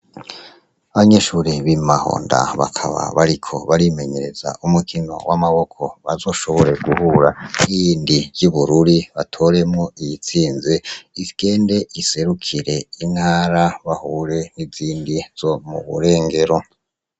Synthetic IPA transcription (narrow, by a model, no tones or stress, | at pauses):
aβaɲe̞ʃuːɾiβimaho̰ːnda̰βa̰kʰa̰βa̰βaɾikʰo̞̰βaɾime̞ɲe̞ɾe̞za̰ʔumukʰino̞̰wʔamaβo̞kʰo̞βazo̞ːʃo̞βo̞ɾe̞ɡuhuɾaijiːndiɟuβuɾuɾiβatʰo̞ɾe̞mŋo̞ijit͡siːnzeizɡ̥e̞ːnde̞ʔise̞ɾukʰiɾe̞in̥haːɾaβahuɾe̞niziːndiz̥o̞mṵβṵɾe̞ːŋɡe̞ɾo̞